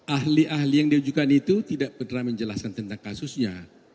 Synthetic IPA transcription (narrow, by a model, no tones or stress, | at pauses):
ʔaɦliʔaɦlijaŋdiud͡ʒukanit̪ut̪idaʔpərnaməɲd͡ʒəlaskant̪ənt̪aŋkasusɲa